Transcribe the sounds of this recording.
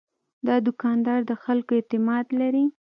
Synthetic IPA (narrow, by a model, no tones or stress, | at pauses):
d̪ɑd̪ʊkɑnd̪ɑɾd̪əxalkoet̪ɪmɑd̪laɾi